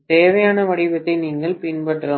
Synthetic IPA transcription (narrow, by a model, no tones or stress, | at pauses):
t̪eːʋɐjaːnɐʋɐɽɪbɐt̪ːɐɪniːŋɡɐɭpɪnbɐʈːɾɐ